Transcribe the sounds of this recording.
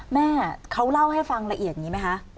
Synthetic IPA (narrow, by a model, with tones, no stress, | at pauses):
mɛː˥˩kʰa˦˥wla˥˩wɦa˥˩jfa˧ŋɾa˧ʔi˨˩ət̪̚ɲiː˦˩ma˦˥jkʰa˦˥